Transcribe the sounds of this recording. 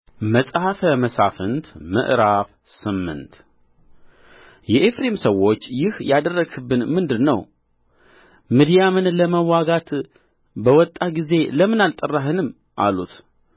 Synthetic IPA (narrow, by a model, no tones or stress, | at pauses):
məsʼhafəməsafɨnt̪mə̰ʔɾaf | sɨmːɨ̰nt̪ | jɛʔefɾemsəwːo̞t͡ʃːjɪhjad̪ərːəɡɨbːɨnmɨnd̪ɨnəw | mid̪ijamɨnləməwaɡat̪ | bəwɔt̪ʼːaɡize̞ləmɨnalt̪ʼərːaɦɨnɨm | ʔa̰lut̪